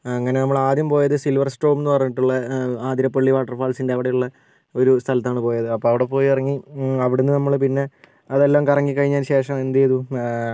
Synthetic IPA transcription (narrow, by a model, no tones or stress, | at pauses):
ɐŋːɐne̞nɐmːɐɭaːd̪jɐmpo̞ːjɐðɨsilʋɐrsʈo̞ːʋmenːɨpɐrɐɲːiʈːuɭːɐaːd̪iɾɐpːɐɭːiʋaːʈːɐrfaːlsinde̞ɐʋiɽejuɭːɐ | o̞ɾust̪ʰɐlɐt̪ːaːɳɨpo̞ːjɐðɨɐpːoːɐʋiɽe̞po̞ːjiɐrɐŋːiɐʋiɽunːɨnɐmːɐɭpinːe̞ | ɐðe̞lːaːmkɐrɐŋːikːɐɻiɲːaːnɕe̞ːʂɐmend̪ɐjɐðu